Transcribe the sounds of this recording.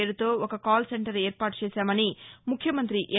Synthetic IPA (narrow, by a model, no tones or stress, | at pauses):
eːɾut̪o̞ːokɐkaːlseɳʈɐɾeːɾpaːʈut͡ʃɛːsaːmɐnimukʰːjɐmɐnt̪ɾiʔeː